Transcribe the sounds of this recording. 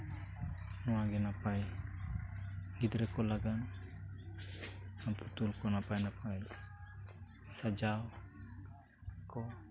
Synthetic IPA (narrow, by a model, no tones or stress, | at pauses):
nɔwaɡɛnapaj | ɡid̪ɾɛkɔlaɡan | aput̪ulkɔnapajnapʰaj | sad͡ʒaw | kɔ